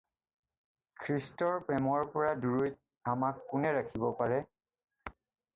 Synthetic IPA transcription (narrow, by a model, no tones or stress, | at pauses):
kʰɹistɔɹpɹɛmɔɹpɔɹaduɹujt̚ | amakːʊnɛɹakʰibɔpaɹɛ